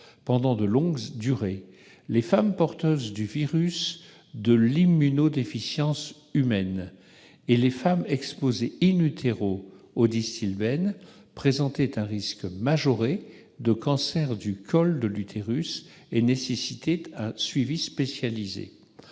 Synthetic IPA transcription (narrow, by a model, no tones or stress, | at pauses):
pɑ̃d̪ɑ̃d̪əlɔ̃ɡd̪yʁe | lefampɔʁt̪øzd̪yviʁys | d̪əlimːynod̪efisjɑ̃s | ymɛn | elefamɛkspozeinyt̪ʰeʁo | od̪ist̪ilbɛnpχezɑ̃t̪ɛt̪ɛ̃ʁiskmaʒɔʁe | d̪əkɑ̃sɛʁd̪ykʰɔld̪əlyt̪ʰeʁys | enesesit̪ʰɛɛ̃sɥivispesjalizḛ